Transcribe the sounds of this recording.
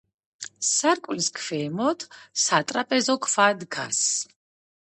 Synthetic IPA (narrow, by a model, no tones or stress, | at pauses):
saɾkʼliskʰfɛːmɔt̪ʰsat̪ʼɾapʼɛzɔkʰfad̪ɡa̰s